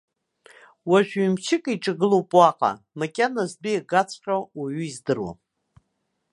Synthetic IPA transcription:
waʒᶣimt͡ʃʰɪkʼiʈ͡ʂʼaɡɨlowpʼwaqʼa̰ | makʲʼanazbijaɡat͡sʰχʲʷᶣʼawaɥyizdɨrwa̰

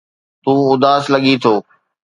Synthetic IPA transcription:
t̪ũːʊd̪aːslɐɠit̪ʰoː

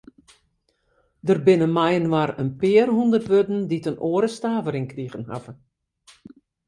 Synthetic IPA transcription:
dərbɪnəmɛjənʋarənpɪərhundərtʋødn̩ditənʔoəɾəstaːvəɾɪŋkriɣənha̰və

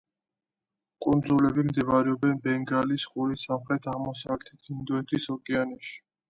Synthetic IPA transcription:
kʼund̪zulɛbimd̪ɛvaɾɛɔbɛnbɛŋɡalisχuɾisamχɾɛt̪ʰaʁmɔsavlɛt̪ʰit̪ʰind̪ɔɛt̪ʰisɔkʼɛanɛʃi̥

